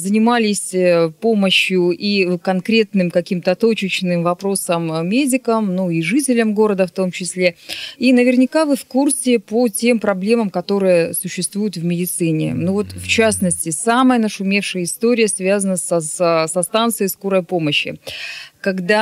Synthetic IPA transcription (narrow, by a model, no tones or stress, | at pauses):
zənʲɪmalʲɪsʲpo̞məɕjʊʔikɐnkɾʲe̞t̪nɨmkɐkʲimt̪ət̪o̞t͡ɕɪt͡ɕnɨmvɐpɾo̞səmːʲedʲɪkəmnuiʐɨtʲɪlʲəmɡo̞ɾəd̪əft̪omt͡ɕɪsʲlʲeinəvʲɪrnʲɪkavɨfkursʲɪpotʲe̞mpɾɐblʲe̞məmkɐt̪o̞ɾɨjəsʊɕːɪst̪vujʊt̪vmʲɪdʲɪt̪sɨnʲɪ̰nuvo̞t̪ft͡ɕasnəsʲtʲɪsaməjənəʂʊmʲe̞fʂɨjəɪst̪o̞ɾʲɪjəsvʲazənəsɐsɐst̪ant̪sɨjskoɾəjpo̞məɕːɪ̰kɐɡd̪a